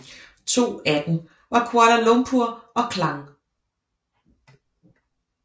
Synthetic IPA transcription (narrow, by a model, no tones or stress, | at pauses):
t͡sʰo̝̰ːæd̥n̩ | ʋɑ̈kʰwɑɾ̥ɐlɔ̽mpʰuɐ̰ɒ̽kʰlɑ̈ŋ